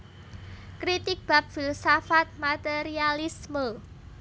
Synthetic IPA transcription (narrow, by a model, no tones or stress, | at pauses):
kɾit̪ɪk̚b̥a̤p̚filsafat̪̚mat̪eɾialismə